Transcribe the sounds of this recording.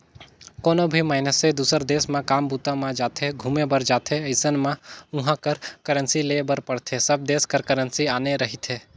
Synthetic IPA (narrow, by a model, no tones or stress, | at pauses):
koːnobʱimaːɪnəsẽd̪uːsəɾd̪eːsmãkaːmbuːt̪ãmãd͡ʒaːt̪ʰeɡʱuːmebəɾd͡ʒaːt̪ʰeɐɪsənmãʊɦãkəɾkəɾənsileːbəɾpəɽt̪ʰesɐb̚d̪eːskəɾkəɾənsiaːneɾɐɦit̪ʰeː